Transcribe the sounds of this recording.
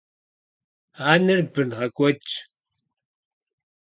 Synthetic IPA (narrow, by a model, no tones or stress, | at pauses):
aːnɨrbɨnʁɐkʷʼɔt͡ʃʼ